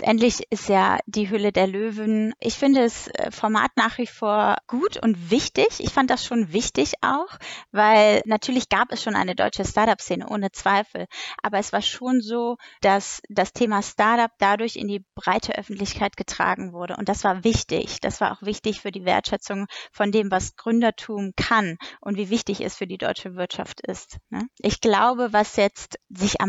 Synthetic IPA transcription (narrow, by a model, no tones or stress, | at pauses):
tʔɛ̰ntlɪçɪstja̰ːd̥iːɦʏlədeːɐløːvənʔɪçfɪndədasfɔɐma̰ːtnaːχv̥ifoːɐɡ̥uːtʰʊ̰ntv̥ɪçtɪçʔɪ̰çfantd̥asʃoːnvɪçtɪça̰ʊxvaɪlnatʰyːɐlɪçɡ̥aːpɛsʃoːnʔa̰ɪnədɔ̰ʏt͡ʃəstaɐtapst͡seːnə̰ʔoːnət͡sv̥aɪfl̩ʔaːbɐɛsv̥aːɐʃoːnzoːd̥asd̥astʰeːmastaɐtap̚d̥adʊɐçɪ̰ndiːb̥ʁaɪtʰəʔœ̰fn̩tlɪçkʰaɪt̚ɡ̥ətʁ̥a̰ːɡŋ̩vʊɐɾəʔʊ̰nt̚d̥asv̥aːɐvɪçtɪ̰çd̥a̰sv̥aːɐʔa̰ʊxv̥ɪçtɪçfyːɐdiːvḛːɐtʃɛt͡sʊŋfɔndeːmvasɡ̥ʁʏndɐtʰuːmkʰanʔʊntv̥iːvɪçtɪçɛ̰sfyːɐdiːdɔ̰ʏt͡ʃəvɪɐtʃa̰ftɪ̰stnəʔɪçɡ̥laʊbəvasjɛt͡stz̥ɪçʔa̰m